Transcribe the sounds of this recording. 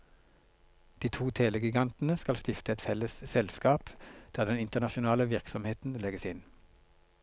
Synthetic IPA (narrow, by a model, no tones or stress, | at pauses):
d̪̥iːt̪ʰuːt̪ʰeːləɡɪɡɑnt̪n̩əskɑlst̪ɪft̪əɛt̪fɛləssɛlskɑːpd̪̥æːʁd̪ɛnɪnt̪əʁnɑʃʊnɑːləʋɪʁksɔmheːt̪n̩lɛɡəsɪn